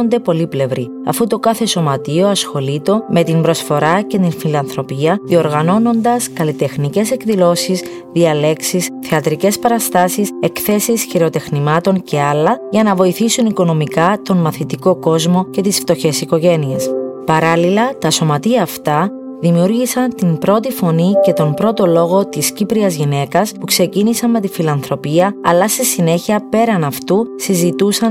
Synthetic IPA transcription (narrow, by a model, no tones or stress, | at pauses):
nd̪e̞po̞liple̞vɾi | ɐ̰fut̪o̞kɐθe̞so̞mɐt̪io̞ɐsxo̞lit̪o̞me̞t̪imbɾo̞sfo̞ɾɐce̞t̪infilɐnθɾo̞piɐðio̞ɾɣɐno̞no̞nd̪ɐskɐlit̪e̞xnice̞se̞kðilo̞sis | ðiɐle̞ksisθeɐt̪ɾice̞spɐɾɐst̪ɐsise̞kθe̞sisçiɾeot̪e̞xnimɐt̪o̞ɲcʰe̞ɐlːɐʝɐnɐvo̞iθisuniko̞no̞mikɐt̪o̞nmɐθit̪iko̞ko̞zmo̞ce̞t̪isft̪o̞çe̞siko̞ʝe̞niespɐɾɐlilɐt̪ɐso̞mɐt̪iɐːft̪ɐ | ðimiuɾʝisɐnt̪imbɾo̞t̪ifo̞nice̞t̪o̞mpɾo̞t̪o̞lo̞ɣo̞t̪iscipɾiɐzʝine̞kɐspukse̞cinisɐnme̞t̪ifilɐnθɾo̞piɐɐlɐsesine̞çiɐpe̞ɾɐnɐft̪usizit̪usɐn